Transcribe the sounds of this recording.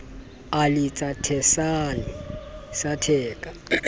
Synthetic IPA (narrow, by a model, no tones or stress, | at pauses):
alɪt͡sʼatʰɛsanisatʰɛːkʼa